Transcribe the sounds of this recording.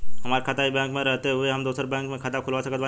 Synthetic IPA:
ɦɐmaːɾekʰaːt̪aibɛ̃ːŋkmẽɾɛɦt̪eɦʊeɦɐmd̪uːsəɾbɛ̃ːŋkmẽkʰaːt̪akʰʊlʋasəkət̪ba

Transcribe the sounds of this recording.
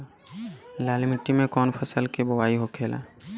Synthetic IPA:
laːlmɪʈːimẽkɔːnpʰəsəlkebəwaːiɦokʰeːla̰ː

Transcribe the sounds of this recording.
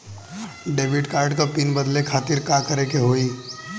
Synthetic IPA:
ɖeːʋɪʈkaːɾɖkapiːnbɐd̪lekʰaːt̪ɪɾkaːkɐɾekeɦoːi

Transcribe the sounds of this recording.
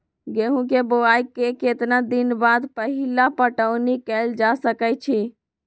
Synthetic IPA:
ɡeɦũkeboaikeket̪nad̪inbad̪pəɦilapəʈəʊnikɛld͡ʒasəkət͡ʃʰi

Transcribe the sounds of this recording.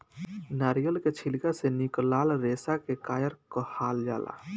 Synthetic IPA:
naɾijəlket͡ʃʰilkaseniklaːlɾesakekaːjəɾkɔhaːld͡ʒa̰ːla̰

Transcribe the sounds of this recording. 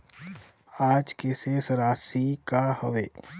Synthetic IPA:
aːd͡ʒkesesəɾaːsikahoʋeː

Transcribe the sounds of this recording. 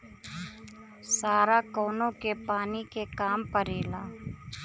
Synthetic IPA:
saːɾaːkoːnõːkepaːniːkekaːmpəɾeːlaː

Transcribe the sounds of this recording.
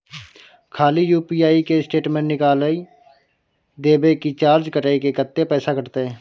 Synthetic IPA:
kʰaːlijuːpiːaːikesʈeːʈmẽɳnɪkaːləi | d̪eːbekit͡ʃaːɾd͡ʒkəʈaːikekət̪ːepɛːsakəʈt̪eɦɛ̃ː

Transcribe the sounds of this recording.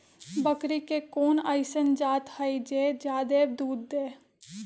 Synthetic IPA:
bəkɾikekoːnə̰ɪsənd͡ʒaːt̪həid͡ʒeːd͡ʒaːd̪eːbd̪uːd̪ːeː

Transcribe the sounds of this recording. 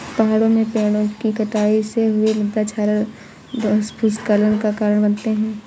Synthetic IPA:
pɐɦaːɽõmẽpẽːɽ̃õkikɐʈaːiseɦʊeləd̪d̪at͡ʃʰaːɾə | sbuskələnkakaːɾəɽ̃bɐnt̪eɦɛ̃ː

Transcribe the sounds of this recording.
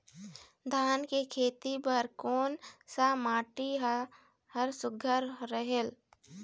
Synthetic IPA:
d̪ʱaːnkekʰeːt̪ipəɾkoːnsamaːʈi | həɾsʊɡʱəɾːəɦel

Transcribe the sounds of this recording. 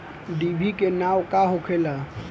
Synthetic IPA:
ɖibʱikenawkaɦokʰela

